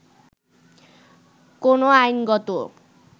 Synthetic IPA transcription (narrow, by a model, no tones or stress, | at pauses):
konoajnɡʌt̪o